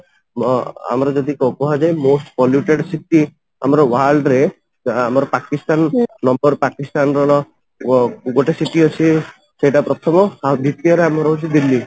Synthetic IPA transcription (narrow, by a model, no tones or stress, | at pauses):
a̰mɾɔd͡ʒɔd̪ikɔkɔɦad͡ʒajmosʈpɔljuʈeɽsiʈi | a̰mɔɾɔwalɖɾe | amɔɾɔpakist̪annɔmbɔɾpakist̪anɾɔɾɔ | ɡoʈesiʈiɔt͡ʃʰi | sejʈapɾɔt̪ʰɔmɔad̪ʱit̪iɔɾeamɾɔut͡ʃʰid̪ilːi